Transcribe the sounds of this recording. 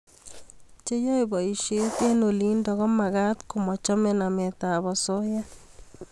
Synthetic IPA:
t͡ʃe˦jɔ˦jbɔ˨i˨ʃet̪e˦noli˦ndɔ˨ɣɔ˦ma˨ɡa˦t̪kʊmɔ˨t͡ʃɔ˦menamet̪a˨bɔso˦ja˦

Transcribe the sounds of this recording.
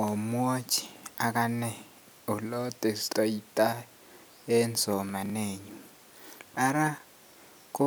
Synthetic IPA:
o˨m˦o˦t͡ʃʰʼi̥˨a˨k̬ʼa˦nɛ˦˨ | u˨lɔ˦tʼe˨sitʼɔ˦i˦tʼa˦ | ɛ˦nd͡zʱɔ˨ma˨neː˨ɲu˨ | a˦ɾa˦ | k̬ʼu˦

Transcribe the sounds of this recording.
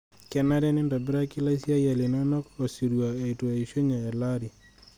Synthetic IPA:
kɛ˨na˦ɾɛ˦nɪ˦ndɔ˨bɪ˦ɾa˦kɪ˦la˦sja˦ja˨li˨nɔ˦nɔ˦ko˨si˨ɾwa˨e˨i˨twa˨i˨ʃo˦ɲa˨ɛ˨la˦ɾi˨

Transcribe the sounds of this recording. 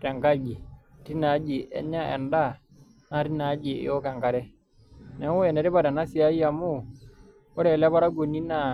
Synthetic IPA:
ɾɛ˨ŋka˦ɡi˨ti˦na˨˦d͡ʒi˨ʔɛ̰˦ɲa˦ɛ̰˨nda˦˨ | na˦ɾi˦na˨˦d͡ʒi˨ɪ̰˦ɔ˦ka˨ŋka˨ɾɛ˦ | nɛ˨˦wɔ˦ɛ˨nɛ˨ɾɪ˦ba˦˨ɾa˨na˦si˨a˦ja˨mu˦ | ɔ˦ɾɛ˨lɛ˦ba˦ɾa˦ɡo˨ni˦na˨

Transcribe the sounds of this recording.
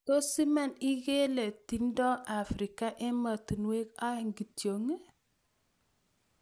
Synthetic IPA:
to˦si˦ma˦ni˦ɡe˦le˨ti˦ndɔ˦a˨fɾi˨ka˦ʔɛ˦ma˨ti˨nwe˦ka˦˨ŋɡi˨tjo˨ŋ˦

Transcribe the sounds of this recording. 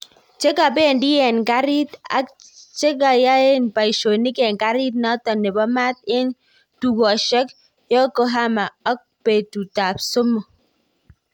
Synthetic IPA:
t͡ʃe˦ka˨be˦˨ndi˦jɛ˨nka˦ɾi˦ta̰˦t͡ʃe˦k̬a˨ja˦e˦npa˨i˨ʃo˨ni˦kɛ˨ŋka˦ɾi˦t̪̚nɔ˦tɔ˨ne˨bɔ˦ma˦t̪̚ɪ˦n | tu˨ɡɔ˨ʃɔ˦k | jɔ˦kɔ˦ɦa˦ma˨ɔ˦k̚pe˨tu˨ta˨psʊ˦mɔ˨

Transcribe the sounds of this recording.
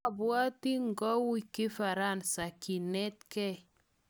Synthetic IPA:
a˨bwa˦ti˦ŋ˨ɡɔ˦wi˦˨ki˦fa˨ɾa˦˨nsa˨ki˨nɛ˦tkɛ˦

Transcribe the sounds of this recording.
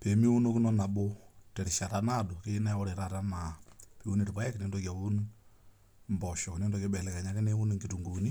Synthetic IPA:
pe˨mi˦u˦no˦kɪ˦nɔ˦na˨bo˦tɛ˨ɾʃa˨ta˦na˦do˨ke˦na˦wɔ˦ɾe˨ɾa˦˨ta˦ma˨pe˨u˦ne˨tpa˦ɛ˦kne˦ndo˦ka˨u˦n | mbɔ˨ʃɔ˨kne˦ndɔ˦ke˦bɛ˨lɛ˨ka˨ɲa˦kɪ˦ne˦u˦n˨ŋɡi˨tu˨ŋɡu˨ni˦

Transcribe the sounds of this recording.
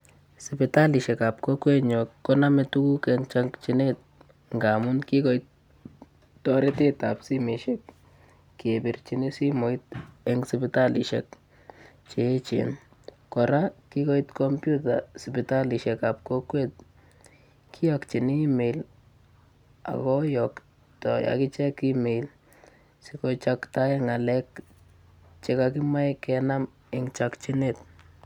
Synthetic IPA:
sɪ˨pɪ˨ta˦li˨ʃɛ˨kap̚ko˦kwe˦ɲɔ˨kːɔ˦na˦mɛ˨tu˦ku˦kɛŋt͡ʃaŋkt͡ʃi˨ne˦t̪̚ | ŋɡa˨mʊ˦nki˦kɔ˨it̚ː | ɔɾe˦te˦t̪apsi˦me˨ʃɛ˦k | kebi˨rt͡ʃi˨ni˦si˦mo˨i˦t̪̚ɛŋsɪpɪta˦lḭ˨ʃɛk | t͡ʃe˨˦t͡ʃḛn | kɔ˨ɾa˦ki˦ko˦itkɔmpju˦ta̰spita˦li˨ʃɛ˨kap̚ko˦kwe˦t̪̚ | kʰi˦jɔkt͡ʃi˨ni˦me˨l | a̰˨kɔ˦jɔ˨k | tɔ˨ja̰˨ki˦t͡ʃɛ˦kːi˦me˨l | si˦kot͡ʃakta˦a˦ŋa˨lɛ˦k | t͡ʃe˦kaki˦ma˦jkɛna˦m | eŋt͡ʃakt͡ʃi˦nit

